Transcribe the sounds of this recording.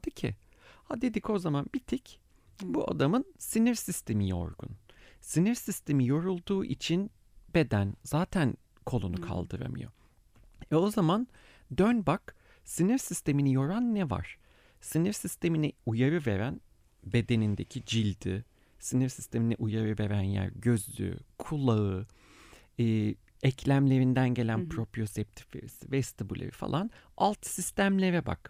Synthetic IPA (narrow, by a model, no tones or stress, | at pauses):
d̪̥icʰḭ | had̪ed̪ico̞zamanbit̪ʰic | buʔa̰d̪amɯnsiniɾsist̪ʰe̞mijo̞̰ɾɡṵnsiniɾsist̪ʰe̞mijo̞ɾulˠd̪uːʔḭt͡ʃʰin | be̞d̪ænzaːt̪ʰæn | kʰo̞lˠunukʰa̰lˠd̪ɯɾa̰mɯ̰jo̞̰ | vɛo̞zaman | d̪ønbak | siniɾsist̪ʰe̞minijo̞ɾanːɛva̰ɾ̥ | siniɾsist̪ʰe̞miniujaɾɯve̞̰ɾæn | be̞d̪e̞nind̪e̞cʰid͡ʒilʲd̪y̰ | siniɾsi̥st̪ʰe̞miniʔujaɾɯve̞ɾænjæ̰ɾɟø̞zlʲy̰kʰulˠaɯ | ɯː | ɛcʰlʲæmlʲe̞ɾind̪ænɟe̞lʲænpʰɾo̞pɾjosɛp̚t̪ʰi̥flʲḛɾisivɛst̪ʰibulʲḛɾifa̰lˠan | alˠt̪sist̪ʰæmlʲe̞ɾɛba̰k